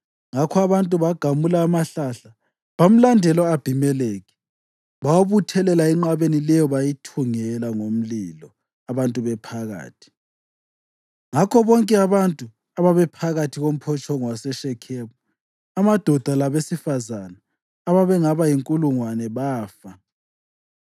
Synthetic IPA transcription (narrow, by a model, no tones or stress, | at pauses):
ŋakʰɔaβantʼuβaɡ̥ʱamulaːmaɬaɬa | βam̩landʱɛlɔab̥ʱimɛleːɣi | βawaβutʰɛlɛlaɛŋ͡ǃaβenilɛjɔβajitʰuŋɛlaŋom̩lilɔ | aβantʼuβɛpʰaɣa̰ːtʰi̥ | ŋakʰɔβɔŋkʼɛaβantʼu | aβaβɛpʰaɣatʰiɣom̩pʰɔt͡ʃʰʼɔŋwasɛʃɛkʰɛːβu | amad̥ʱɔd̥ʱalaβesifazanaː | βaβɛŋaβajiŋkʼuluŋwanɛβaːfa